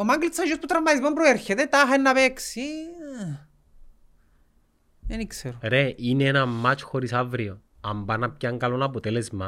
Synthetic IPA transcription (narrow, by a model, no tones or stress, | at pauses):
omaŋɡlit̪sʰɐʒosput̪ɾamaðizmompɾoeɾçet̪et̪aɦaenːɐβeksi | enikseɾoɾeineenɐmːat͡ʃxoɾisavɾio | ɐmbanɐp̚caŋɡalonɐpot̪elezmɐ